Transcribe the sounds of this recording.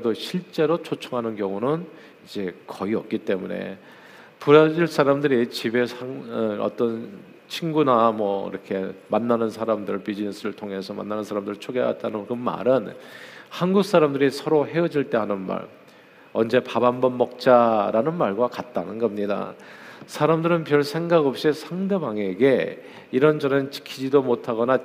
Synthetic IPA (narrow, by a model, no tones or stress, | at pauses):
ɯedoɕʰiɭt͡ɕ͈e̞ɾot͡ɕʰot͡ɕʰʌŋɦanɯnkjʌŋunɯn | id͡ʑe̞kʌiʌk̚k͈it͈e̞mune̞̰ | puɾad͡ʑiɭs͈aɾamdɯɾit͡ɕibe̞sʰaŋʌ̰t͈ʌn | t͡ɕʰinɡunamwʌḭɾʌkʰe̞manːanɯnsʰaɾamdɯɭpid͡ʑines͈ʰɯɾɯɭtʰoŋe̞sʰʌma̰nːanɯnsʰaɾamdɯɾɭt͡ɕʰoɡea̰t̚t͈anɯkɯma̰ɾɯnhanɡuk̚s͈aɾamdɯɾisʰʌɾoɦe̞ɯd͡ʑiɭt͈e̞ɦanɯnma̰ɭ | ʌnd͡ʑe̞pabanbʌnmʌk̚t͡ɕ͈aɾanɯnmaɭɡwakat̚t͈anɯnɡʌmɲida̰sʰaɾamdɯɾɯnpjʌɭsʰe̞ŋɡaɡʌp̚ɕ͈isʰaŋde̞baŋe̞ɡe̞ | iɾʌnd͡ʑʌnent͡ɕi̥kʰid͡ʑidomotʰaɡʌna